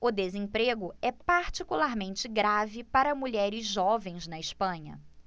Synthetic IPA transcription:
ʊd̪ezẽpɾeɡʊɛpaɾt͡ʃikulaɾmẽnt͡ʃɪɡɾavɪpaɾɐmuʎɛɾɪzʒɔvẽj̃znɐɪʃpɐ̃ɲɐ̰

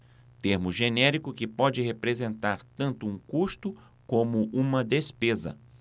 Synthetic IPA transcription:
t̪eɾmʊʒenɛɾikʊkɪpɔd͡ʒɪɦepɾezẽnt̪aɾt̪ɐ̃nt̪ʊũkust̪ʊ | kõmʊʔũmɐd̪espezɐ̰

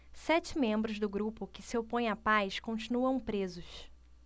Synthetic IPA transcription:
sɛt͡ʃɪmẽmbɾʊzd̪ʊɡɾupʊkɪsɪopõj̃apajskõt͡ʃinuɐ̃w̃pɾezʊʃ

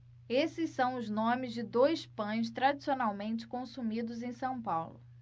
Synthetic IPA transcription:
esɪsːɐ̃w̃ʊznõmɪzd͡ʒɪd̪ojspɐ̃j̃s̬t̪ɾad͡ʒisionawmẽnt͡ʃɪ̥kõsumid̪ʊzẽj̃sɐ̃w̃pawlʊ

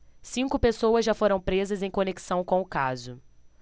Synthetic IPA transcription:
sĩŋkʊpesowɐzʒafoɾɐ̃w̃pɾezɐzẽj̃koneki̥sɐ̃w̃kõʊkazʊ

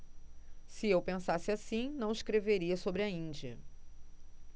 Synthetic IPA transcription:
sɪewpẽsasɪasĩnɐ̃w̃ɪskɾeveɾiɐsobɾɪɐĩnd͡ʒiɐ̰

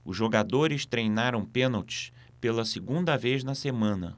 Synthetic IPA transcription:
ʊzʒoɡad̪oɾɪst̪ɾejnaɾɐ̃w̃pẽnɐwt͡ʃɪ̥s | pelɐsɪɡũnd̪ɐvejznɐsemɐ̃nɐ̰

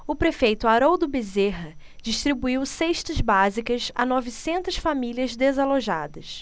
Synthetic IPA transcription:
ʊpɾefejt̪ʊaɾowd̪ʊbezeɦɐ | d͡ʒiʃt̪ɾibuiwseʃt̪ɐzbazikɐza̰nɔvisẽnt̪ɐsfamilʲiɐzd̪ezaloʒa̰d̪ɐs

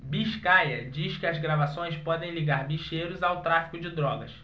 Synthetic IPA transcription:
biʃkajɐd͡ʒiʃkɪɐzɡɾavasõj̃spɔd̪ẽj̃liɡaɾbiʃejɾʊzawt̪ɾafi̥kʊd͡ʒɪd̪ɾɔɡɐs

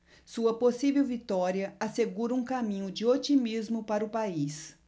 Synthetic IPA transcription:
suɐposivewvit̪ɔɾiɐaseɡuɾɐũkamĩɲʊd͡ʒɪot͡ʃimizmʊpaɾɐʊpais

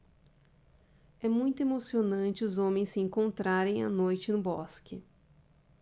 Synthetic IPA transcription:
ɛmũj̃t̪ʊemosionɐ̃nt͡ʃɪʊzõmẽj̃sɪẽŋkõnt̪ɾaɾẽj̃a̰nojt͡ʃɪnʊbɔskɪ

